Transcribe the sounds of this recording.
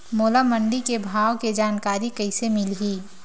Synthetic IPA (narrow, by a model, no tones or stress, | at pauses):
moːlamə̃ɳɖikebʱaːʋked͡ʒaːnkaːɾikɐɪsemɪlɦiː